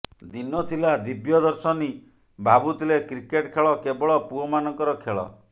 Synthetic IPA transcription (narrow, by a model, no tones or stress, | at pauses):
d̪inɔt̪ʰilad̪ibjɔd̪ɔɾsɔni | bʱabut̪ʰilekɾikeʈkʰeɭɔkebɔɭɔpuɔmanɔŋkɔɾɔkʰeɭɔ̰